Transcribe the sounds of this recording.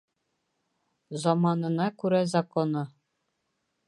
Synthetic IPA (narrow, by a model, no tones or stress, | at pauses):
zɑmɑnɤ̆nɑkʉɾæzɐkonɤ